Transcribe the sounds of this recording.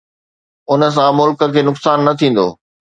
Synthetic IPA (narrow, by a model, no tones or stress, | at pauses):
ʊnə̆s̬ãmʊlkə̆kʰeːnʊksaːnːɐt̪ʰĩːn̆d̪o̰ː